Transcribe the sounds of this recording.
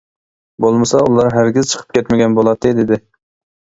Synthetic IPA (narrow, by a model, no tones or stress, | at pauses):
bolˠmɨsɑulˠɑɾɦæɾɡʲɪzt͡ʃʰə̥qʰə̥p̚kʲʰɛt̪mɪɡʲɛnbolˠɑt̪ʰːɨd̪ɪd̪ɪ